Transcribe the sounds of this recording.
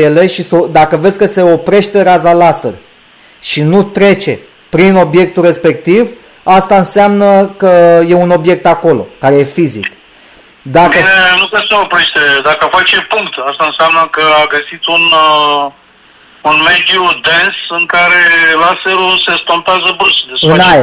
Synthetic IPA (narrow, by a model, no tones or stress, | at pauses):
jele̞ʃisod̪akəvesʲkəse̞o̞pɾe̞ʃt̪e̞ɾazalasə̰r | ʃinut̪ɾe̞t͡ʃe̞ | pɾino̞bje̞k̚t̪ure̞spe̞k̚t̪iv | ast̪aɨnseamnəkəje̞uno̞bje̞k̚t̪ako̞lo̞̰kaɾe̞je̞fizḭk | d̪akəenukeseopɾeʃt̪ed̪akəfat͡ʃepuŋkt̪ast̪aɨnseamnəkəaɡəsit̪un | unme̞d̪jud̪ensɨŋkaɾe̞lasəɾuse̞st̪o̞mpeazəbɾusd̪esɨnnaj